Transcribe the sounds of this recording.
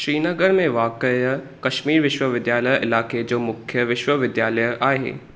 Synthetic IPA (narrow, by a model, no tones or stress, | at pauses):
ʃɾiːnɐɡəɾmẽʋaːkəj | kɐʃmiːɾʋɪʃwəʋɪd̪jaːləjɪ̰laːked͡ʑoːmʊkʰjəʋɪʃwəʋɪd̪jaːləjʔaːɦḛː